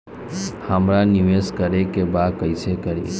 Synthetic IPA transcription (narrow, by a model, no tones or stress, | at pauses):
həmɾanɪʋeskəɾekebaːd̪̚kəɪsekəɾḭ